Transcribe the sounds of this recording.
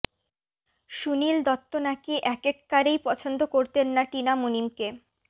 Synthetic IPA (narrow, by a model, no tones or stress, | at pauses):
ʃunild̪ɔt̪ːonakiʔɛkekːaɾejpɔt͡ɕʰond̪okoɾt̪enːaʈinamunimke